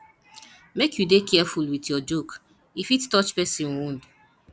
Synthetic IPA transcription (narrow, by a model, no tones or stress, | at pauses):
mekjudekɛfulwitjɔd͡ʒok | ifittɔt͡ʃpɛsĩnund